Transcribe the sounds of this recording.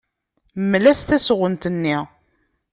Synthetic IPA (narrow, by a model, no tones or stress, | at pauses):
mlæsθæsʁənt̪ənːiʁ